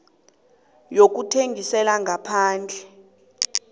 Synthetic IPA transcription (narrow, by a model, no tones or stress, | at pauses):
jok̬utʰeŋʱisɛlaŋɡʱapʰaːnd͡ɮʱɛ